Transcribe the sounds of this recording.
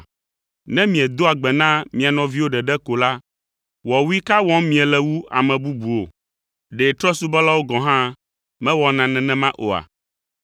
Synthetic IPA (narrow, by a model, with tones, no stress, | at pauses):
nɛ̃˦mĩ˨ɛ̃˨d̪o˦a˨ɡ͡bɛ˨nã˦mĩ˨a˨nɔ̃˨vi˦wo˦ɖɛ˨ɖɛ˦ko˨la˦ | wɔ˨wu˦i˦ka˦wɔ̃˦mĩ˨ɛ˨lɛ˦wu˦a̰˨mɛ̃˨bu˦bu˨o˦˨ | ɖe˨t̪ɾɔ˦su˦bɔ˦la˦wo˦ɡɔ̃˨ɦã˦ | mɛ̃˦wɔ˨nã˨nɛ̃˨nɛ̃˦mã˦ʔo̰˨a̰˨